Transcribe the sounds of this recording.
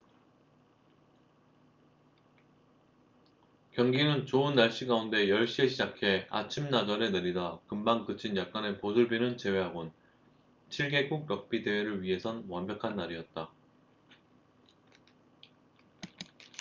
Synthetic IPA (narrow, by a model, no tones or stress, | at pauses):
kjʌŋɡinɯnt͡ɕoɯnːaɭɕ͈iɡaunde̞jʌɭɕ͈ieɕʰid͡ʑakʰe̞a̰t͡ɕʰimnad͡ʑʌɾe̞nɯɾidakɯmbaŋkɯt͡ɕʰinjak̚k͈ane̞poduɭbinɯnt͡ɕe̞we̞ɦaɡon | t͡ɕʰiɭɡe̞kuɡ̚ɾʌk̚p͈ide̞we̞ɾɯɭɥiɦe̞sʰʌnwʌnbjʌkʰanːaɾiʌt̚t͈a